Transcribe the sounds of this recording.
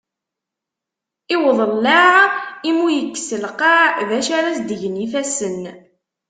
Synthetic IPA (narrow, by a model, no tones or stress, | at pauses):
ɪwðˤəlːaʕimujəkːsəlqɑʕðæʃaɾæsd̪əʝnifæsən